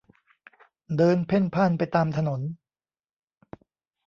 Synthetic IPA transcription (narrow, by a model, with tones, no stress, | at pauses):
dɤː˧npʰe˥˩npʰaː˥˩npa˧jt̪aː˧mt̪ʰa˧no˩˦n